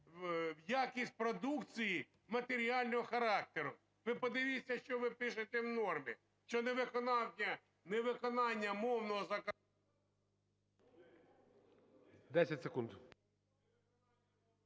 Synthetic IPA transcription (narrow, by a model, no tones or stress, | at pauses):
wjakʲisʲt̚ʲpɾɔd̪ukt͡sʲiji | mɐt̪eɾʲialʲnɔɦɔxɐɾɑk̚t̪eɾʊ | ʋɪpɔd̪ɪʋʲisʲːɐʃt͡ʃɔʋɪpɪʃɪt̪ɛwnɔrmʲḭ | ʃt͡ʃɔneʋɪkɔnɑwʲɐ | neʋɪkɔnɑnʲːɐmɔwnɔɦɔzɐk | d̪ɛsʲɐtʲsekund̪